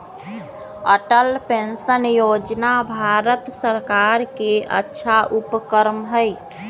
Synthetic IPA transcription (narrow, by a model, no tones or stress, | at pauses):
əʈəlpensənjod͡ʒnabʱaɾət̪səɾkaɾkeə̰tːʃʰaʔupkəɾmɦəj